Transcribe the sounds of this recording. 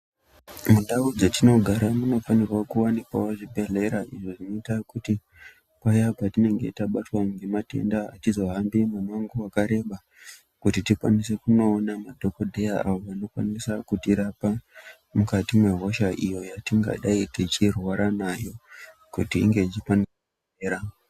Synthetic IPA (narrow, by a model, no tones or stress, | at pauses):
munɗaud͡zetino̞ɡʱaɾamuno̞fanirwakuwanipa̰woʐibʱe̞ɮe̞ɾaʔiʐoʐino̞itakuti | kajapatine̞ŋɡe̞taɓatwaŋɡemate̞̰ndaa̰tizo̞ɦambimemaŋɡuwakaɾe̞ɓa | kutitikwa̰nise̞kuno̞ːnamadʱokodʱejaa̰ʋoʋano̞kwa̰nisakutiɾapa | mukatimwe̞ɦo̞ʃaʔijo̞jatiŋɡa̰ɗaitit͡ʃirwaɾanajo̞ | kutḭːŋɡe̞it͡ʃikanira | eɾa